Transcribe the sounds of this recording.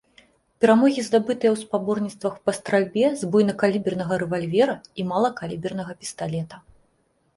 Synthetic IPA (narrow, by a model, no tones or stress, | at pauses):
pʲɛɾamɔɣʲizd̪abɨt̪ɨjɛwspabɔrnʲit̪st̪vɐxpɐst̪ɾalʲbʲɛzbɔjnɐkalʲibʲɛrnɐɣɐɾɛvalʲvʲɛɾɐimalˠɐkalʲibʲɛrnɐɣɐpʲi̥st̪alʲɛt̪ɐ